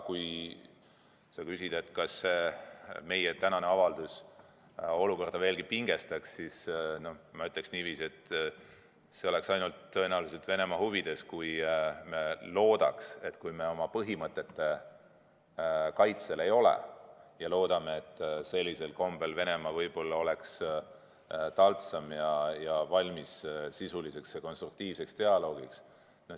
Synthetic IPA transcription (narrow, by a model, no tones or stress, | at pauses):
kuj | sɑkysid̪̥e̞t̪ːkɑsːe̞ːme̞jet̪ænɑneɑvɑld̪̥us | o̞luko̞rd̪̥ɑve̞ːlɡ̥ipiŋɡ̥e̞st̪ɑksːisno̞mɑyt̪ːˑleksniːviːse̞t̪ːˑ | se̞o̞le̞ksɑjnult̪ːɤ̞enæwluselt̪ve̞ne̞mɑɦuvid̪̥e̞skujme̞lo̞ːd̪̥ɑ̰kse̞t̪kujme̞o̞mɑpɤɦimɤt̪ːˑe̞t̪ːe̞ | kɑjt̪se̞le̞jo̞lḛjɑlo̞ːd̪̥ɑme̞et̪ːˑse̞lʲːise̞lko̞mb̥e̞lve̞ne̞mɑvɤjb̥o̞lːɑo̞le̞ks | t̪ɑlt̪sɑmjɑjɑvɑlʲmissisulise̞ksjɑko̞nst̪ruk̚t̪iːvse̞kst̪e̞ɑlo̞ːɡ̥iks | no